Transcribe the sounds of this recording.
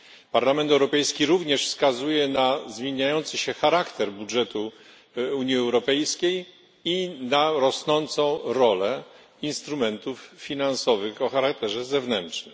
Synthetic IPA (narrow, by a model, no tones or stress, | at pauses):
paɾlamɛnt̪ɛwɾɔpɛjskʲiɾuvɲɛʂfskazujɛnazmʲjeɲajɔnt̪sɘɕɛxaɾakt̪ɛɾbudʐɛt̪u | uɲiɛwɾɔpɛjskʲej | inaɾɔsnɔnt̪sɔ̃w̃ɾɔlɛ | inst̪ɾumɛnt̪ufːʲinansɔvɘxɔxaɾak̚t̪ɛʐɛzɛvnɛntʂnɘm